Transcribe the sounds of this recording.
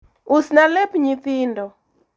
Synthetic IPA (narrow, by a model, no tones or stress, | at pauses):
usnalɛpɲiθɪndɔ